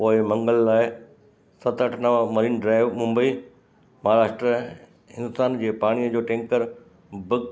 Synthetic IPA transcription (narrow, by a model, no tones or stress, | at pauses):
poːɪmɐ̃ŋɡəlːaːɪ | sɐt̪əʈʰnɐʋamɐɾiːnɖɾaːɪʋmʊ̃mbəiː | mɐɦaːɾaːʃʈɾə | ɪ̃nd̪ʊsaːnd͡ʑeːpaːɽ̃ijəd͡ʑoːʈẽːŋkəɾ | bɪɡ